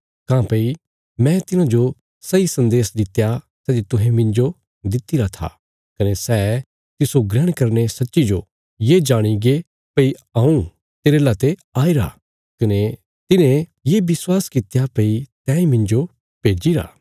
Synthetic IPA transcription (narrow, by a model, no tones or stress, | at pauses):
kãːpɐi | mɛ̃t̪ɪnãd͡ʒo | sɐisɐ̃nd̪eːsd̪ɪt̪ːja | sɛːd͡ʒ̪it̪ʊɦɛ̃mɪ̃nd͡ʒo | d̪ɪt̪ːiɾat̪ʰa̰ | kɐnesɛː | t̪ɪsoɡɾɛːɽ̃kɐɾnesɐtːʃid͡ʒo | jed͡ʒaːɽ̃iɡe | pɐiãːũ | t̪eːɾelat̪eaːiɾa̰ | kɐne | t̪ɪnẽjeːbɪswaːskɪt̪japɐit̪ɛ̃ːĩmɪ̃nd͡ʒo | peːd͡ʒiɾa̰ː